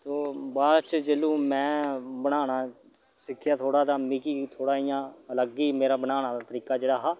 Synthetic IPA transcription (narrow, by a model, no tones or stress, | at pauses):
t̪oːbaːt͡ʃd͡ʒeːlũːmɛ̃ːbəɽaːnaː | sɪkʰːɪjaːt̪ʰoːɽaːt̪ãːmiːkiːt̪ʰoːɽaːijãːləɡːiːmeːɾaːbənaːnaːd̪aːt̪əɾiːkaːd͡ʒeːɽaːɦaː